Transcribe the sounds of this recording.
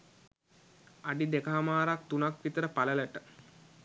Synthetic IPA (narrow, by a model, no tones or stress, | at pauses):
aɖid̪ekaɦamaːɾak̚t̪unakʋit̪əɾəpalələʈə